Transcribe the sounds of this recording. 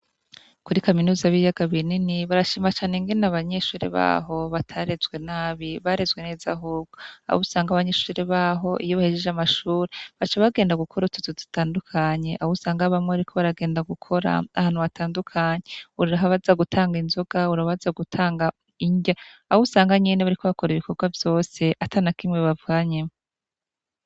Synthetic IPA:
kuɾikaminuːzaβijaɡaβininiβaɾaʃiːmat͡ʃaːne̞ŋɡenaβaɲeʃuːɾḛβa̰ːɦo̞βatʰaɾe̞zɡwe̞naːβiβaɾe̞zɡwe̞ne̞ːzaɦuːb̚ɡ̥oa̰husaːŋɡaβaɲeʃuːɾeβaːɦo̞ʔijoβahed͡ʒeʒamaʃuːɾeβat͡ʃaβaɡe̞ːndaɡukʰo̞ɾutuzozi̥taːndukʰaɲe̞ʔa̰husaːŋɡaβamŋeaɾikʰo̞βaɾaɡe̞ːndaɡukʰo̞ɾa̰ahaːn̥huβatʰaːndukʰaɲeuɾɾaɦaβazaɡutʰaːŋɡinzo̞ɡ̥auɾaβazaɡutʰaːŋɡa | iɲɟaahousaːŋɡaɲineβaɾikʰo̞βakoɾiβiko̞ɡwavjo̞ːse̞ʔatʰanakimŋeβavɡaːɲemo

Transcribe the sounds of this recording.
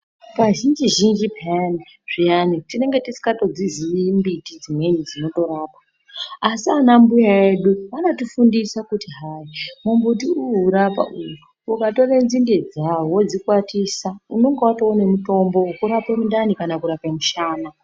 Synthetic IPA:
paʒind͡ʒiʒind͡ʒipani | ʐ̥ianitine̞ŋɡe̞tisi̥kato̞d͡ziziimbitid͡zimwe̞nid͡zino̞to̞ɾaːpḁ | asianambujaeɗuʋanotufundisakutiɦaimumbut̬iuuɾapa̰ʔuruːkato̞renzinded͡zawod͡zikwatisauno̞ŋɡewatoone̞muto̞mbo̞ukuɾapemundanikanakuɾapemuʃaːna

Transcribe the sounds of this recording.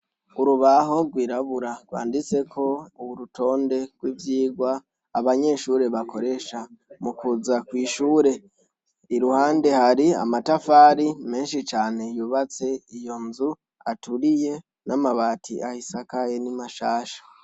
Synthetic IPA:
uɾuβaɦo̞ɡwiːɾaβuɾaɡ̥wa̰ːndit͡se̞kʰo̞uwuɾutʰo̞ːnde̞ɡ̥wivjiːɡwaː | βaɲe̞ʃuːɾe̞βakʰo̞ɾe̞ʃamukuzakwiːʃuːɾe̞ | iɾuhaːnde̞haɾia̰matafaːɾime̞ːnʃit͡ʃaːne̞juβat͡se̞ijo̞nzu | atuɾije̞ | namaβaːtʰḭʔahisakajenimaʃaːʃḁ

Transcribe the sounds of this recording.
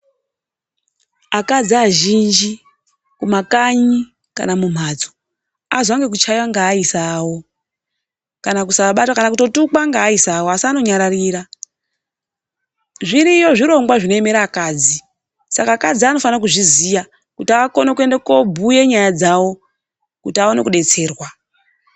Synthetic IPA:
akad͡ziaʒind͡ʒi | kumakaɲi | ka̰namum̤ad͡zo̥ | a̰zaŋɡe̞k̬ut͡ʃajwaŋɡaːisawo̞ | kanakusaɓatwakanak̬uto̞tukwaŋɡaːisawasiano̞ɲaɾariːɾa | ʐiɾijo̞ʐiɾo̞ŋɡwaʐino̞eme̞ɾakaːd͡zi | sakakad͡ziano̞fanak̬uʐizija | kutiako̞nekue̞ndekobʱuje̞ɲajad͡zawo̞ | kutiaonekuɗe̞t͡se̞ːrwa

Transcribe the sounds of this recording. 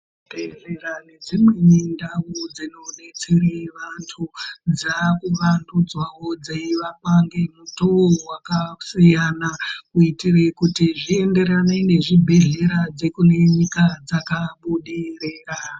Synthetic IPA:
teɮeɾane̞d͡zimwe̞nindawud͡zino̞ne̞t͡sereʋantʰud͡zakuʋandud͡zwawo̞d͡zeiʋakaŋɡe̞mutowakasijanakuitire̞kutiʐie̞nde̞ɾanene̞ʐibʱe̞ɮe̞ɾad͡ze̞kune̞ɲikad͡zakaɓuɗireːra

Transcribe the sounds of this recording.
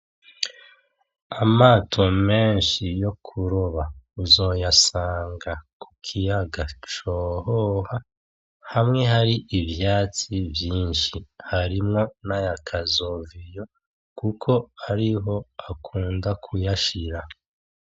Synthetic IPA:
amaːtʰo̞me̞ːnʃijo̞kʰuɾoβauzo̞jasaːŋɡaku̥kʰijaɡat͡ʃoɦoha | hamŋe̞ɦaɾiʔivjaːt͡sivjiːnʃihaɾimŋo̞najakʰazovijo̞ | kukʰo̞aɾiɦo̞akʰuːndakʰujaʃiɾa

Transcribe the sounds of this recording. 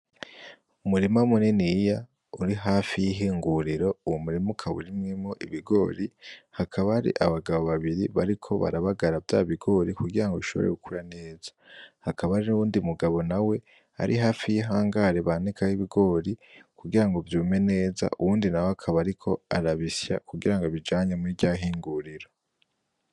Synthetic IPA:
umuɾimaumuninija | uɾiɦaːfijiɦiːŋɡuɾiɾo̞uwomuɾimukʰaβṵɾimŋimoʔiβiɡo̞ːɾihakʰaβaɾḭʔaβaɡaβo̞βaβiɾiβaɾikʰoβa̰ɾaβaɡaɾavjaβiɡo̞ɾikuɡiɾaŋɡoiʃo̞βo̞̰ɾe̞̰ɡukʰuɾane̞ːzḁhakaβaɾinuβuːndiumuɡaβo̞nawe̞ | a̰ɾiɦaːfijiɦaːŋɡaɾe̞βaːnikahiβiɡo̞ːɾikuɡiɾaŋɡovjuːme̞ne̞ːza̰ʔuwuːndinawoakʰaβaɾikʰo̞aɾaβisja̰kuɡiɾaŋɡoβid͡ʒaːɲemuiɟaɦiːŋɡuɾiɾo̞

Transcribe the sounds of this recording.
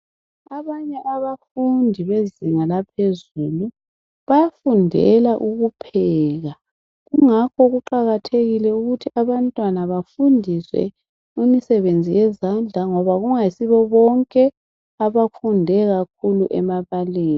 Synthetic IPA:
aβaɲɛʔaβafundʱiβeziŋalapʰezulu | βajafundʱɛ̰laʔuɣupʰɛːɣa | ɣuŋakʰɔɣuǃaɣatʰeɣilɛuɣutʰiʔaβantʼwanaβafundʱiswɛ̰ | imisɛβend͡zʱijɛzand͡ɮʱaŋɔβaɣuŋajisiβɔβɔŋkʼɛ | aβafundʱɛɣak̚ʰuluʔɛmaβaleːni

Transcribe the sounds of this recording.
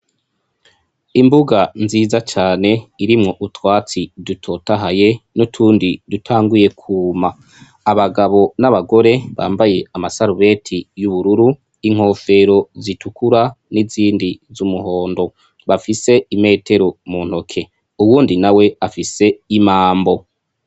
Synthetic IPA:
imbuɡanziːzat͡ʃaːne̞iɾimŋo̞ʔutwaːt͡sidutʰo̞ːtaɦaje̞nutʰuːndidutʰaːŋɡuje̞kʰuːmaː | βaɡaβo̞naβaɡo̞ɾe̞βa̰ːmbaje̞amasaɾuβe̞ːtʰijuβuɾuɾu | iŋ̥ho̞ːfe̞ɾo̞zitʰukʰuɾa | niziːndizumuɦo̞ːndo̞ | βafise̞ime̞ːtʰe̞ɾomuːn̥ho̞kʰe̞ | uwuːndinawe̞afise̞imaːmbo̞

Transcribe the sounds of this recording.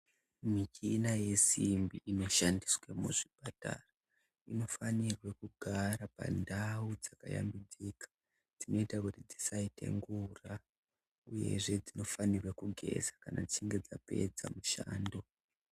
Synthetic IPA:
mit͡ʃinaje̞simbiʔino̞ʃandiswemuʐipata̰ra | ino̞fanirwe̞kuɡʱaɾapa̰ndaud͡zaka̰ja̰mbid͡zikḁ | d͡zino̞itakutid͡zisaitʰe̞̰ŋɡura | uje̞̰ʐe̞d͡zino̞fanirwekuɡʱe̞̰zakanad͡zit͡ʃiŋɡe̞d͡zape̞̰d͡za̰muʃaːndo̞

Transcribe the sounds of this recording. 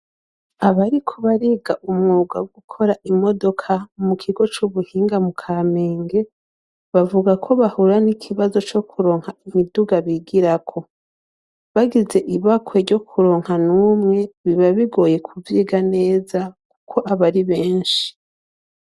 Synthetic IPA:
aβaɾikʰoβaɾiɡaʔumŋuːɡa̰wɡukʰo̞ɾaʔimo̞do̞kʰamukʰiɡo̞t͡ʃuβuhiːŋɡamukʰame̞ːŋɡe̞ | βavuɡakʰo̞βahuɾanikʰiβazo̞t͡ʃo̞kʰuɾo̞ːŋhaimiduɡaβiɡiɾakʰo̞ | βaɡize̞ʔiβakʰweɾɟo̞kʰuɾo̞ːŋhanuːmŋe̞βiβaβiɡo̞ːje̞kʰuviːɡane̞ːzaku̥kʰo̞ʔaβaɾiβe̞ːnʃi̥

